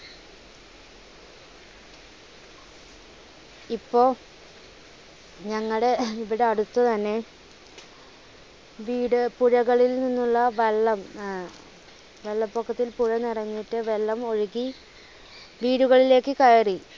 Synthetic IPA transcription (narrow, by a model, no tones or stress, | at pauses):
ipːo̞ː | ɲɐŋːɐɽe̞iʋiɽeɐɽut̪ːɐt̪ɐnːe̞ | ʋiːɽɨpuɻɐɣɐɭilninːuɭːɐʋeɭːɐm | ʋe̞lːɐpːokʰːɐt̪ːilpuɻɐnirɐɲːiʈːɨʋe̞lːɐmo̞ɻiɣi | ʋiːɽuɣɐɭile̞ːkːɨkɐjɐri